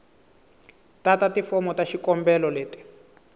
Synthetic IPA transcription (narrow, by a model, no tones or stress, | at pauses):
tatatifɔmɔtaʃikɔmbɛlɔleːti̥